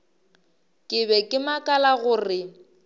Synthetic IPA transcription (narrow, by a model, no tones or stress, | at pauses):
kʼɪbɛkʼɪmakʼalaɣʊrɪ